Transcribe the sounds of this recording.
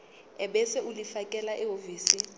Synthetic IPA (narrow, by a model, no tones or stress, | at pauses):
ɛɓɛsɛulifakʼɛlaʔɛɦoviːsi